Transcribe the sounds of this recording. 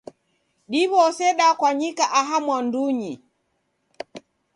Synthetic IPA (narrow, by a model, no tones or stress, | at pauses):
ɗiβɔsɛɗakwaɲikaʔaɦamwanduɲi